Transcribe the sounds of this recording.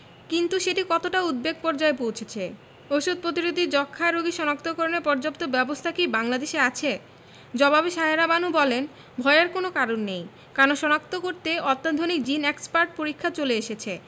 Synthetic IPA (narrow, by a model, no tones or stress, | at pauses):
kint̪uʃeʈikɔt̪oʈaud̪̚beɡ̚pɔɾd͡ʑaepowt͡ɕʰet͡ɕʰe | oʃud̪̚pɾot̪̬iɾod̪ʱid͡ʑɔkʰːaɾoɡiʃɔnak̚t̪okoɾonepɔɾd͡ʑapt̪obɛbost̪ʰakibaŋlad̪eʃeɾat͡ɕʰe | d͡ʑɔbʱabeʃaɦeɾabanubɔlen | bʱɔeeɾkonokaɾonːej | kanoʃɔnak̚t̪okoɾt̪eɔt̪ːad̪ʱonik̚d͡ʑinekspaɾʈ̚poɾikʰːat͡ɕoleeʃet͡ɕʰe